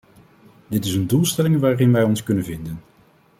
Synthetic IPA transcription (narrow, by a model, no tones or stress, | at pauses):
dɪtɪsəndulˠstɛlɪŋʋaːrɪnʋɛjɔnskɵnənvɪndən